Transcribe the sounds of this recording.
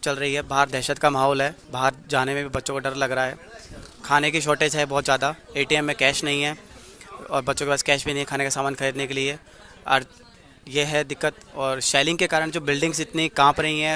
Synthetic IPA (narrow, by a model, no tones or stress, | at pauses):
t͡ʃɐlɾɐɦiɦɛbaɦəɾd̪ʱɛːʃət̪kamɐɦɔːlɦɛːbaɦəɾd͡ʒaːnemẽbʱibɐtːʃõkoɖɐɾlɐɡɾaaɦɛː | kʰaːnekiʃ̬oːʈeːd͡ʒɦɛbɔːt̪zjaːd̪aeːʈiɛmːẽkɛːʃnɐɦĩɦɛː | ɔːɾbɐtːʃõkepaːskɛːʃbʱinɐɦĩkʰaːnekasaːmaːnkɐɾiːd̪nekelie | ɐ̰ɾ | jeɦɛd̪ɪkːət̪ɔːɾʃaːɪlɪ̃ŋɡkekaːɾəɽ̃d͡ʒoːbɪlɖɪ̃ŋɡzɪt̪nikãːpɾɐɦĩɦɛ̃ː